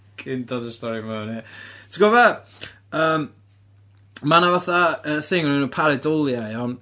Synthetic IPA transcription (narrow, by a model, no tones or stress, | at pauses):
kʰʼɪndɔdəstɔɾimanitʰɪɡɔvɛ | əːm | manavaθaəθɪŋɔnɛnuːpʰaɾɪdɔlˠjaɨɔn